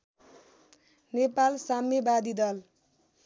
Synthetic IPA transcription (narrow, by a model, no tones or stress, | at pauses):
nepalsamjebad̪id̪ʌl